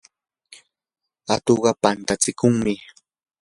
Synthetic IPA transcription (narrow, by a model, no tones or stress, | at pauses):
at̪oɢɑpant̪at͡sɪkʊŋmɪ